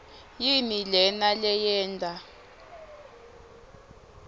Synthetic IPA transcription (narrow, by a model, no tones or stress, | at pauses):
jinilɛnalɛjɛːndʱʼa